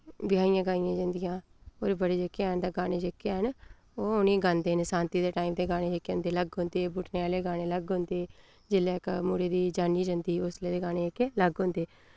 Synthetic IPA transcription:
bɪjaːijãːɡaːijãːd͡ʒənd̪ɪjãː | oːɾbəɽeːd͡ʒekːent̪ãːɡaːneːd͡ʒekːeɦən | oːʊnĩːɡãːnd̪eːnsãːnt̪iːd̪eːʈaːiːmd̪eːɡaːɽ̃ẽːd͡ʒekːeõnd̪eːləɡɦʊ̃nd̪eːbʊːʈʰneːaːleːɡaːñeːləɡɦʊ̃nd̪eː | d͡ʒɪleːkmuːɽeːd̪iːd͡ʒaːniːd͡ʒənd̪iːʊsleːd̪eːɡaːneːkeləɡɦʊ̃nd̪eː

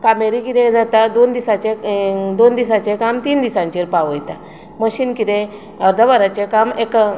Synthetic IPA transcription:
kameɾikiɾẽd͡zat̪ad̪ond̪isat͡ɕẽd̪ond̪isãt͡ɕẽkamt̪iːnd̪isãɲt͡ɕeɾpaʋəjt̪a | məɕinkiɾẽ | əɾd̪əbaɾat͡ɕekamek

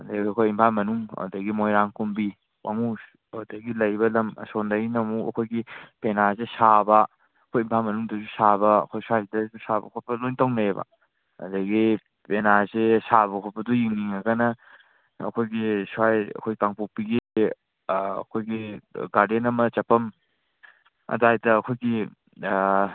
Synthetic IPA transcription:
ɐdɐɡiɐkʰojimpʰamɐnuŋa̰dɐɡimojɾaŋkumbi | wa̰ŋus | adɐɡilɐjbɐlɐmsondanɐmuɐ̰kʰojɡipenazesabɐ | ɐkʰojimpʰamɐnuŋdɐzusabɐ̰ːkʰojswajdɐsusabɐ̰kʰɔt̚pɐlojntawnaebɐ̰ | ɐ̰dɐɡi | penazesaβɐkʰɔt̚pɐdɔjiŋniŋɐɡɐnɐ | ɐ̰kʰojɡisajɐ̰kʰojkaŋpupiɡi | ɐ̰kʰojɡiɡaɾdenɐmɐt͡ʃɐpɐm | ɐ̰dajdɐːkʰojɡi

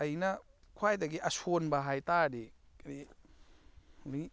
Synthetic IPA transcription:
ɐjnɐ | kʰwajdɐɡiʔɐsonbɐɦajtaɾi | kni | ni

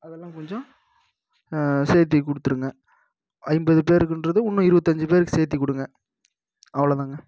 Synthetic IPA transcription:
ɐðɛlːãːkɔɲd͡ʒɔ̃ | seːt̪̬ːikʊɽɯt̪ːɯɾɯŋɡɐ | ɐɪmbɐðɯpeːɾɯkːɯndɾɐðɯʊnːɯɪɾɯbɐt̪ːɐɲd͡ʒɯpeːɾɯkːseːt̪̬ːikʊɽɯŋɡɐ | ɐʋɐɭɐt̪ãːŋɡɐ

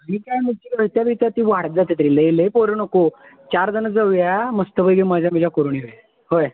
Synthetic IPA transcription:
mikajmit̪iləɦt̪jabʱit̪at̪iːʋaɽd͡zat̪it̪ɾilelepoɾənəko | t͡ɕaɾd͡zənəd͡zəʋjaməst̪əbəjɡəməd͡ʑʱamid͡ʑakoɾuɳiɦja | ɦoj

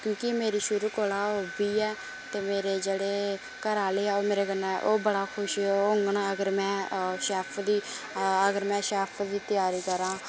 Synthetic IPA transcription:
kjõːkɪmeːɾiːʃʊɾuːkoːlaːoːbiːɛː | t̪eːmeːɾeːd͡ʒeːɽeː | kəɾaːleːɛːoːmeːɾeːkənːaːʔoːbəɽaːkʰʊʃːoɦʊŋɡəɳːəɡəɾmɛ̃ːʃɛːpʰd̪iː | əɡəɾmɛ̃ːʃɛːpʰd̪iːt̪ɪjaːɾiːkəɾãː

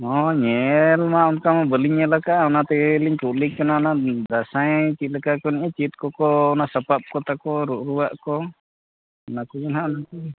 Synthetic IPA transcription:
ɔɲɛlmaʔɔnkamɔbəliɲɛlakaʔɔnat̪ɛliɲkuʔlikkanaɔnad̪asajt͡ʃit̪̚lakakɔniɲat͡ʃit̪̚kɔkɔɔnasapap̚kɔt̪akɔɾuʔɾuwaʔkɔ | nakud͡ʒɛnɦaʔɔnak̪ɔ

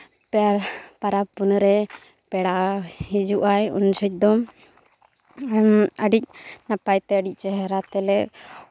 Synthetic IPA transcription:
pɛɾpaɾap̚bunɾɛ | pɛɽaʔhid͡ʒuʔajṵnsɔc̚ˀd̪ɔm | məɖic̚napajt̪ɛəɖic̚ˀt͡ʃɛɦɛɾat̪ɛlɛʔ

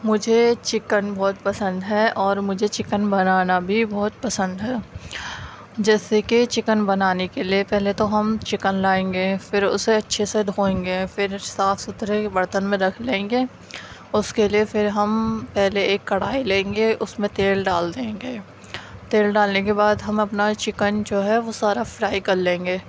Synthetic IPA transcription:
mʊd͡ʒʱet͡ʃɪkənbɔːt̪pɐsə̃nd̪ɦɛːʔɔːɾmʊd͡ʒʱet͡ʃɪkənbɐnaːnabʱibɔːt̪̚pɐsə̃nd̪ɦɛː | d͡ʒɛːseket͡ʃɪkənbɐnaːnekeliepɛɦlet̪oɦɐmt͡ʃɪkənlaːẽːŋɡefɪɾʊ̰seɐtːʃʰesed̪ʱoːẽːŋɡefɪɾsaːfʰsʊt̪ɾebɐɾt̪ənmẽɾɐkʰlẽːŋɡeː | ʊskeliefɪɾɦɐmpɛɦleeːkːɐɽaːilẽːŋɡeʔʊsmẽt̪eːlɖaːld̪ẽːŋɡeː | t̪eːlɖaːlnekebaːd̪ɦɐmɐpnat͡ʃɪkənd͡ʒoːɦɛʋosaːɾafɾaːikɐɾlẽːŋɡeː

